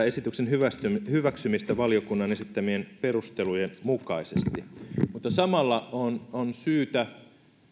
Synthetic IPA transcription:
esit̪yksenɦyæshyʋæksymist̪æʋɑliokunːɑnesit̪ːæmienperust̪elujenmukɑisest̪imut̪ːɑsɑmɑlːɑononsyːt̪æ

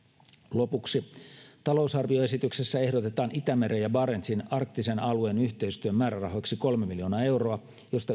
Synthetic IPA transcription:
lopuksit̪ɑlousɑrʋioe̞sit̪yksesːæe̞hdot̪et̪ɑːnit̪æmeɾejɑbɑːɾent̪sinɑrk̚t̪ːisenɑlueːnyçt̪eist̪yømmæːɾærɑɦoksiko̞lmemiljo̞ːnɑːe̞wroɑ | jo̞st̪ɑ

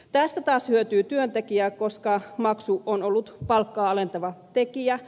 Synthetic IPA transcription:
t̪æst̪æt̪ɑːshyøt̪yːt̪yønt̪ekiæːko̞skɑmɑksuonolːut̪pɑlkːɑːɑlent̪ɑʋɑt̪ekiæ

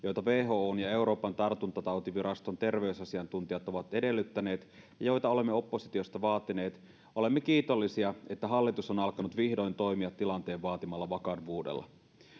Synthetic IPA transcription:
jo̞jt̪ɑʋe̞ːɦo̞ːoːnjɑe̞wɾo̞ːpɑnt̪ɑrt̪unt̪ɑt̪ɑwt̪iʋiɾɑst̪o̞nt̪e̞rʋe̞ysɑsiɑnt̪unt̪ijɑt̪oʋɑt̪e̞de̞lːyt̪ːæne̞ːt̪jɑjo̞jt̪ɑo̞le̞mːeo̞pːo̞sit̪io̞st̪ɑʋɑːt̪ine̞ːt̪ | ole̞mːekiːt̪o̞lːisiɑe̞t̪ːæɦɑlːit̪usonɑlkɑnut̪ʋihdo̞jnt̪o̞jmiɑt̪ːilɑnt̪e̞ːʋʋɑːt̪imɑlːɑʋɑkɑdʋuːdḛlːɑ̰

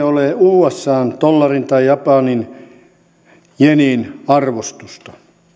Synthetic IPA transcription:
oleˑuːesːɑːnt̪olːɑrint̪ɑijɑpɑˑnin | jeninɑrʋost̪ust̪ɑ

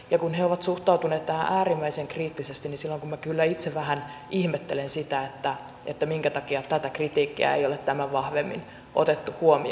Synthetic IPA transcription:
jɑkunheoʋɑt̪suht̪ɑut̪uneːt̪t̪ːæhæ̰ʔæːrimːæiseŋkriːt̪ːisest̪inisilːoŋkummækylːæit̪seʋæhænʔihmet̪ːelensit̪æet̪ːæ | et̪ːæmiŋkæt̪ɑkiɑt̪æt̪ækrit̪iːkːiæ̰ḛjolet̪t̪æmæʋʋɑhʋemːḭn | ʔot̪et̪ːuhuomi

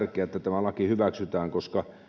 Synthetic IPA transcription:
rkˑeæet̪ːæt̪æmælɑkihyʋæksyt̪æːŋkoskɑ

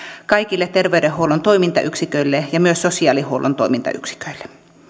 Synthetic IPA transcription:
kɑikilːet̪erʋeyɾehːoulont̪oimint̪ɑ̰ʔyksikøilːejɑmyøssosiɑːˑlihoulʔo̰nt̪o̰imint̪ɑ̰y̰ksi̥kø̥ilːe̥

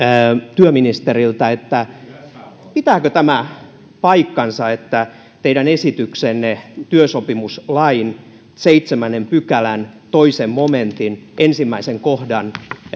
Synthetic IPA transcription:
t̪yøminist̪erilt̪ɑet̪ːæ | pit̪æːkøt̪æmæ | pɑikːɑnsɑet̪ːæ | t̪eidænesit̪yksenːet̪yøsopimuslɑin | seit̪semænempykælænt̪oisemmoment̪inʔensimːæiseŋkohdɑn

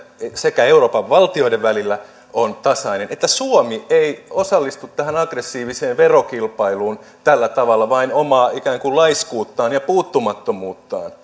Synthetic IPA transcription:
sekæeuroːpɑʋʋɑlt̪io̞ideʋʋælilːæ | ʔont̪ɑsɑinenet̪ːæsuomieiosɑlːist̪ut̪tæhænɑɡresːiːʋiseːʋʋerokilpɑiluːn | t̪ælːæt̪ɑʋɑlːɑʋɑinomɑːikæːŋkullɑiskuːt̪ːɑːnjɑpuːt̪ːumɑt̪ːomuːt̪ːɑ̰ːn

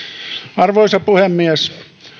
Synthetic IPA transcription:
ɑrʋoisɑpuhemːies

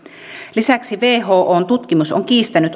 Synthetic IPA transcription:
lisæksiʋeːɦo̞ːʔoːnt̪ut̪k̟imuso̰ŋk̟iːst̪ænyt̪

